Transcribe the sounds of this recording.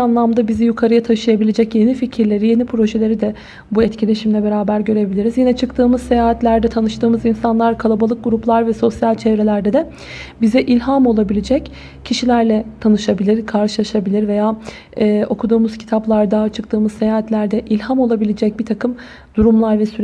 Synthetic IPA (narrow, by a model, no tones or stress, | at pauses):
anlˠamd̪abizijukʰaɾɯjat̪ʰaʃɯjabilʲed͡ʒɛcje̞nificʰiɾlʲe̞ɾije̞nipʰɾo̞ʒelʲe̞ɾid̪ɛ | buɛt̪cilʲe̞ʃimlʲɛbe̞ɾaːbæɾɟø̞ɾe̞bilʲiɾizjinɛt͡ʃʰɯkt̪ʰɯːmɯzsejaːɦat̪lʲæɾd̪ɛt̪ʰanɯʃt̪ʰɯːmɯzinsanlˠaɾkʰalˠabalˠɯk̚ɡuɾuplˠaɾvɛso̞sjalʲt͡ʃʰevɾelʲæɾd̪ɛd̪ɛ | bizɛʔilʲɦamo̞lˠabilʲed͡ʒɛc | cʰːiʃilʲæɾlʲɛt̪ʰanɯʃabilʲiɾkʰaɾʃɯlˠaʃabilʲiɾve̞jaː | ɛʔo̞kʰud̪uːmuz̥cʰi̥t̪ʰaplˠaɾd̪at͡ʃʰɯk̚t̪ʰɯːmɯzse̞jaːɦat̪lʲæɾd̪ɛʔilʲhamo̞lˠabilʲed͡ʒɛc̚biɾt̪ʰakʰɯm | d̪̥uɾumlˠaɾvɛsyɾ